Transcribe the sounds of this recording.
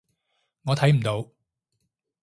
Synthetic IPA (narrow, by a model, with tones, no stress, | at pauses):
ŋɔː˨˧t̪ʰɐ˨˥jm̩˨˩t̪o˨˧w